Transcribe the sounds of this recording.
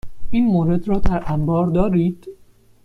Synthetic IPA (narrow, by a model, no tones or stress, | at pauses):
ʔiːnmoːɾe̞d̪ɾɒːd̪æɾʔæmbɒːɾd̪ɒːɾiːd̪̥